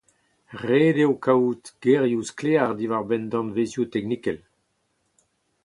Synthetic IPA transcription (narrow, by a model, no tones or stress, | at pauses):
ʁeːdewkawt̪ɡ̥eʁjuskleaʁd̪ivaʁbɛnd̪ɑ̃nvezjut̪ɛknikɛl